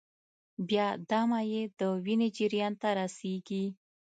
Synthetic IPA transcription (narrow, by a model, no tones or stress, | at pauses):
bjɑd̪amajed̪əwined͡ʒiɾjɑnt̪aɾaseɡi